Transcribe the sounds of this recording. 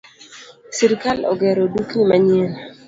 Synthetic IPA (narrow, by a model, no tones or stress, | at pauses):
siɾkalɔ̰ɡɛɾodukimaɲel